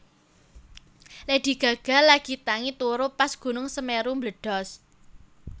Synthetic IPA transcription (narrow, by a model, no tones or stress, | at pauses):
led̪̥i̤ɡ̥ä̤ɡ̥a̤laɡ̥it̪aŋit̪uɾʊpasɡ̥ṳnʊŋsəmeɾumbləɖ̥ɔ̤s